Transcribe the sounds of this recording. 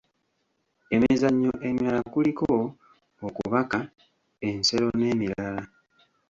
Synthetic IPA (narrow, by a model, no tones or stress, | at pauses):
e̞mizaɲːo̞ʔemjalakuliko | okṵβaka | e̞nse̞ɾo̞ne̞ːmiɾala